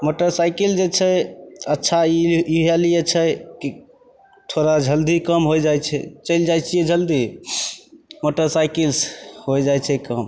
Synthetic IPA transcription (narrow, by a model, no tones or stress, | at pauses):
moʈəɾsajkeld͡ʒet͡ʃʰɛətːʃʰaiiɦelijet͡ʃʰɛki | t̪ʰoɾad͡ʒʱəld̪ikəmɦojd͡ʒajt͡ʃʰɛ̰t͡ʃəjld͡ʒajt͡ʃʰijɛd͡ʒəld̪i | moʈəɾsajkilsɦod͡ʒajt͡ʃʰɛkəm